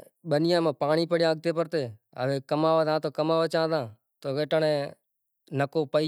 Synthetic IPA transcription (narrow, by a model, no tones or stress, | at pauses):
ɓənɪjãːmãːpaːɳiːpəɽjãːɡ̚t̪ʰeːpəɾt̪eː | ə̰ʋeːkəmaːʋəːd̪ãːt̪oːkəmaːʋət͡ʃãːd̪ãː | t̪oːʋeːʈəɳẽː | nəkoːpəi